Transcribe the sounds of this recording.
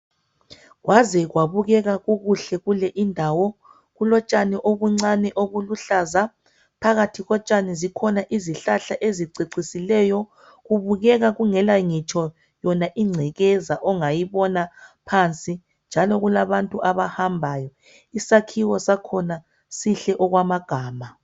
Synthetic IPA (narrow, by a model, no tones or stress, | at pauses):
ɣwazɛɣwaβuɣɛɣaɣuɣuɬɛɣulɛʔindʱawɔ | ɣulɔt͡ʃʼanɛʔoɣuŋ͡ǀanɛʔoɣuluɬaza | pʰaɣatʰiɣɔt͡ʃʼanɛzikʰɔnaʔiziɬaɬaʔeziǀiǀisilɛːjɔ | ɣuβuɣɛɣaɣuŋɛlaŋit͡ʃʰɔ | jɔnaʔiŋ͡ǀʱɛɣɛzaʔɔŋajiβɔnapʰant͡sʼi | nd͡ʒʱalɔɣulaβantʼuʔaβahambʱaːjɔ | isakʰiwɔsakʰɔna | siɬɛʔɔɣwamaɡ̥ʱaːma